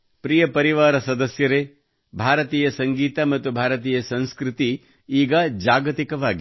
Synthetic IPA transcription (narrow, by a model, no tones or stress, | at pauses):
pɾiːjɐpɐɾiʋaːɾɐsɐd̪ɐsjɐɾeː | bʱaːɾɐt̪iːjɐsɐŋɡiːt̪ɐmɐt̪ːubʱaːɾɐt̪̬iːjɐsɐ̃ñskɾɪt̪i | iːɡɐd͡ʒaːɡɐt̪ikɐʋaːɡi